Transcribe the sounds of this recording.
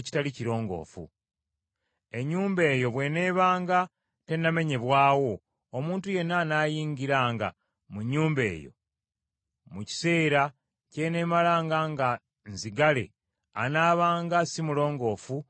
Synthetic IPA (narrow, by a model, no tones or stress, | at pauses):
ci̥taliciɾo̞ːŋɡo̞̰ːfṵ | e̞ɲːuːmbe̞ːjo̞βwe̞ːne̞ːβaːŋɡa | te̞nːame̞ɲe̞βwaːwo̞ː | muːntuje̞nːanaːjiːɲɡiɾaːŋɡa̰ | muɲːuːmbe̞̰ːjo̞̰ | muci̥se̞ːɾa | ce̞ːne̞ːmalaːŋɡaŋɡa | nziɡale̞̰ | a̰naːβaːŋɡasimulo̞ːŋɡo̞ːfu